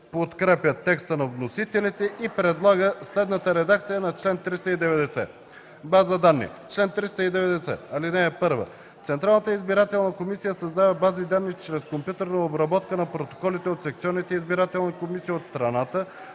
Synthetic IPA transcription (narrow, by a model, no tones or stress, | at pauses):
pot̪kɾɛpʲjət̪ːɛkst̪ənɐvnosit̪ɛlit̪ɛʔipɾɛd̪lˠaɡəslɛd̪nət̪əɾɛd̪ak̚t̪sijənɐt͡ʃlɛnt̪ɾist̪əid̪ɛvɛd̪ɛsɛ | bazəd̪anːḭt͡ʃlɛnt̪ɾist̪əid̪ɛvɛd̪ɛsɛ̰ɐlinɛːpɤɾvə̰ | t̪sɛnt̪ɾalˠnət̪əizbiɾat̪ɛlˠnəkomisijəsɐzd̪avɐbazid̪anːit͡ʃɾɛskompʲjut̪ɛɾnəobɾɐbɔt̪kənɐpɾot̪o̥kɔlit̪ɛot̪sɛk̚t̪iɔnːit̪ɛizbiɾat̪ɛlˠnikomisiːot̪st̪ɾɐnat̪ə